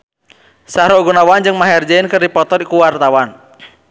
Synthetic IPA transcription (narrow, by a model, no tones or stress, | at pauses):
saɾoɡunawand͡ʒɨŋmaɦɛrd͡ʒaɪnkərdipɔt̪ɔrikuwart̪awan